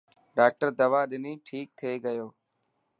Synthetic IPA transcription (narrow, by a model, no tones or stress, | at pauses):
ɖaːk̚ʈəɾd̪əʋaːɗɪniːʈʰiːk̚t̪ʰeːɡəjoː